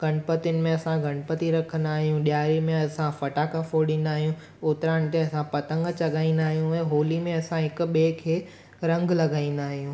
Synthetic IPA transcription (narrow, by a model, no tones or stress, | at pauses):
ɡʱɐɳ̃pət̪ɪjʊnɪ̆mẽɐsãɡʱɐɽ̃pət̪iɾɐkʰə̃nd̪aːɦijũɗjaːɾimẽɐsãfɐʈakafoɗɪ̃n̆d̪aːɦijũ | ʊt̪ɾaːñɪ̆t̪eɐsãpɐt̪ə̃ŋɡt͡ɕɐɠaːĩnd̪aːɦijũɛ̃ːɦoːlimẽɐsãɦɪk̆ɓeːkʰeː | ɾɐ̃ŋɡʱlɐɡaːĩn̆d̪aːɦijũː